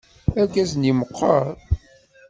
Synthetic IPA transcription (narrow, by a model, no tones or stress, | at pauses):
ækːæzniməqʰːəɾ